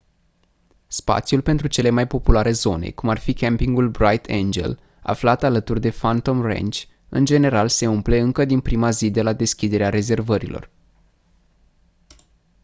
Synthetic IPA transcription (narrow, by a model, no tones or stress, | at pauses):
spa̰t̪sjulpe̞nt̪ɾut͡ʃe̞le̞majpo̞pulaɾe̞zo̞ne̞̰kumarfikʲempiŋɡulbɾajt̪ʰḛnd͡ʒe̞̰l | a̰flat̪alət̪urd̪e̞fant̪o̞mrḛnt͡ʃʲ | ɨnd͡ʒe̞ne̞ɾalse̞umple̞ɨŋkəd̪inpɾimazid̪e̞lad̪e̞skʲid̪e̞ɾeaɾe̞ze̞rvəɾḭlʔo̞̰r